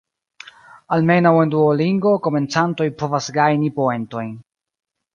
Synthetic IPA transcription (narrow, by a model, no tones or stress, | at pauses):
alme̞nawe̞nduoliŋɡo̞ko̞me̞nt͡santo̞jpo̞vasɡajnipoe̞nto̞jn